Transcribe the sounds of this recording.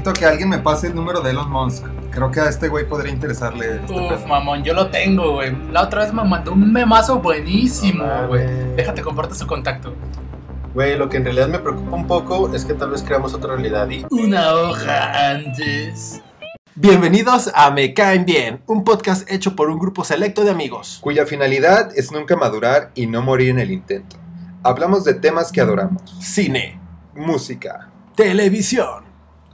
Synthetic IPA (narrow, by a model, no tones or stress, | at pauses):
t̪okealɣjenme̞paseeːlnũme̞ɾo̞ðelozmonsk | kɾeokeaest̪e̞ɣwe̞jpoð̞ɾiaint̪e̞ɾesaɾle | ufmamõnɟo̞lo̞t̪e̞ŋɡo̞wejlao̞t̪ɾaβe̞zmemãnd̪ounme̞maso̞βwe̞nisimoɣwejd̪e̞xat̪ekompaɾt̪e̥suko̞nt̪ak̚t̪o | wejlo̞keːnrealiðaðme̞pɾeokupaumpo̞ko̞e̞ske̞t̪alβe̞skɾeamo̞so̞t̪ɾarealiðaðiunaoxa̰ant̪es | bje̞mbe̞niðo̞samekaembjenumpoðkast̪e̞t͡ʃopo̞ɾuŋɡɾupo̞se̞le̞k̚t̪oðeamiɣo̞skuʝafinaliðaðe̞znũŋkamaðuɾaɾino̞mo̞ɾiɾene̞lint̪e̞nt̪o̥aβlamo̞zðe̞t̪e̞maske̞að̞o̞ɾamosːine̞̰ | musika̰ | t̪ele̞βisjon